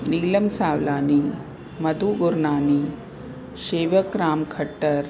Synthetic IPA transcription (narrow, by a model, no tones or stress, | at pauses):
niːləmsaːʋlaːni | məd̪ʱuːɡuɾɳaːni | ɕeːʋəkɾaːmkʰəʈːəɾ